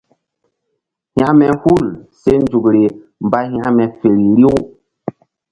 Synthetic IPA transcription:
hj̃a˦mɛ˨hu˦˨lse˦nd͡ʒu˨kɾe˨ | m˨ba˦ha˦ʔmɛ˨fe˨ɾi˨ɾi˦u˦

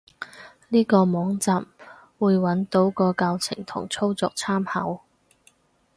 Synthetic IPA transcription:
niː˥kɔː˧mɔː˨˥ŋt͡saː˨˧m | wuː˨˧jwɐ˨˥nt̪o˨˥wkɔː˧kaː˧wt͡sʰɪ̰˨˩ŋt̪ʰʊ̰˨˩ŋt͡sʰo˥wt͡sɔː˧k̚t͡sʰaː˥mhɐ˨˥w

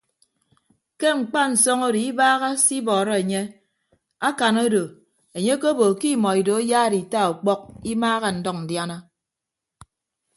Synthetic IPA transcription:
ke˦ŋ͡m̩˨k͡pa˦n̩˨sɔ˦ŋo˦di˨i˦baː˦ɣa˦si˦bɔː˨ɾɔ˦e˨ɲe˦ | a˦ka˨no˦do˨ | e˨ɲe˦ko˦bo˨ki˦˨mɔ˨i˨do˨e˦jaː˦ɾi˨ta˦u˨k͡pɔ˦k̚i˦maː˦ɣa˦n̩˨dɔ˦˨k̚n̩˨dja˦na˦

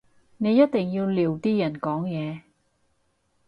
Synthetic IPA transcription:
ne˨˧jɐ˥t̚t̪ɪ˨ŋjiː˧wliː˨wt̪iː˥jɐ˨˩nkɔː˨˥ŋjɛː˨˧

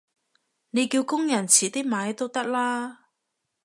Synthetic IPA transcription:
ne˨˧jkiː˧wkʊ˥ŋjɐ˨˩nt͡sʰiː˨˩t̪ɪ˥k̚maː˨˧˥jt̪o˥wt̪ɐ˥k̚laː˥

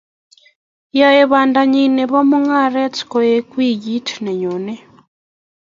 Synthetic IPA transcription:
jajeβaː˨nda˨ɲi˨ne˨βo˦mu˦ŋa˦˨ɾe˦t͡si̥ko˨je˦kwiː˦˨ji˦tʰi̥ne˨ɲoː˨ne˦

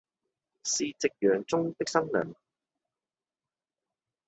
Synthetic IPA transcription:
siː˨t͡sɪ˨k̚jœː˨˩ŋt͡sʊ˥ŋt̪ɪ˥k̚sɐ˥ŋnœ̰ː˨˩ŋ

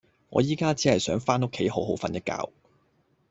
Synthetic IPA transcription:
ŋɔ̰ː˨˧jiː˥kaː˥t͡siː˨˥hɐ˨jsœː˨˥ŋfaː˥no˥kʰːe˨˥jɦo˨˥wɦo˨˥wfɐ˨˧njɐ˥t̚ka̰ː˧w

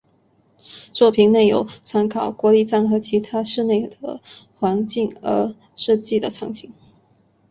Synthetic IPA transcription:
t͡swɔ˥˩pʰi˧˥ŋne˥˩ɪjo˧˩ʊt͡sʰa˧˥nkʰɑ˨˩ʊkwɔ˧˥li˥˧ʈ͡ʂa˥˩nxɤ˧˥t͡ɕʰi˧˥t̪ʰa˥ʂɻ̩˥˧ne˥˩ɪd̪ə̰˩xwa˧˥nt͡ɕi˥˩ŋə̰˧˥ | ʂ̩˥˧t͡ɕi˥˩d̪ə˩ʈ͡ʂʰɑ˧˥ŋt͡ɕʰi˥ŋ

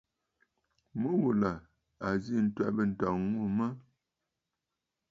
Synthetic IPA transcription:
mu˦wu˨la˨ | a˨zi˦˨n̩˦twɛ˦bə˨n̩˨tɔ˨ŋwo˦˨mə˦

